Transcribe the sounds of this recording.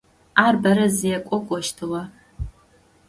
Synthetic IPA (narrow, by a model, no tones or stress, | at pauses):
aːrbɐɾɐzijɛkʷʼɔkʷʼɔʃtʰɨʁɐ